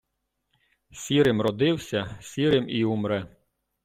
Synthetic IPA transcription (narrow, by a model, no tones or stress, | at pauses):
sʲiɾɪmɾɔd̪ɪwsʲɐsʲiɾɪmiumɾɛ